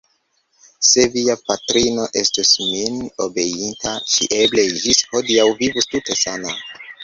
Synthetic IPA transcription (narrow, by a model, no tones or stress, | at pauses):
se̞viapatɾino̞ʔe̞stusmino̞be̞jintaʃḭʔe̞ble̞ʒisho̞diawvivustute̞sana